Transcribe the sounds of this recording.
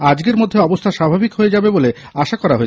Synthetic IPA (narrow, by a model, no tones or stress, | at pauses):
ad͡ʑɡeɾmod̪ʱːeɔbost̪ʰaʃabʱabikɦoed͡ʑabebole | aʃakɔɾaɦoe